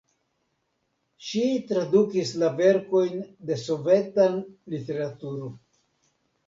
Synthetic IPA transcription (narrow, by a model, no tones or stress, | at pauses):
ʃitɾadukislave̞ɾko̞jnde̞so̞ve̞tanlite̞ɾatuɾo